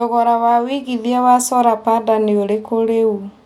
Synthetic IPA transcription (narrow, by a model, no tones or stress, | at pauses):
oɣɔɾawawiɣiðjawasɔɾapadaneoɾekoɾeu